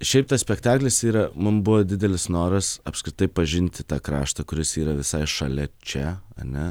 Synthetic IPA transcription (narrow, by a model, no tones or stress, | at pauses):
ʃʲɛɪp̚t̪ɐsʲpʲɛkt̪ɑːklʲɪsiːɾɐmʊmbʊʋɐd̪ʲɪd̪ʲɛlʲɪsnoːɾɐsɐpskɾʲɪt̪ɐɪpɐʒʲɪnʲt̪ʲɪt̪ɑːkɾɑ̰ːʃt̪ɐkʊɾʲɪsiːɾɐʋʲɪsɐɪʃɐlʲɛt͡ʃʲɛɐ̰nʲɛ